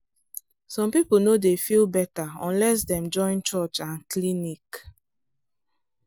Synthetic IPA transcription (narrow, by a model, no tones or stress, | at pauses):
sɔ̃mpip̩nodefilbɛtaɔ̃nlɛs̬dɛ̃md͡ʒɔ̃ɪ̃nt͡ʃɔt͡ʃãnklinik